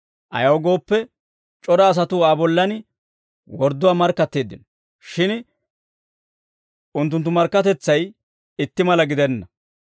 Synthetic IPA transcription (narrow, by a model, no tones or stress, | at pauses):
ʔɐ̰jɐwɡo̞ːpːɛ | t͡ʃʼɔɾɐːs̬ɐt̪uaːbɔlːɐn | wɔɾd̪ʊwaːmɐɾkːɐt̪ːeːd̪ːɪnɔ | ʃɪn | ʊnt̪ːʊnt̪̬ːʊmɐɾkːɐt̪ɛt͡sːɐj | ɪt̪ːɪmɐlɐɡɪd̪ɛnːɐ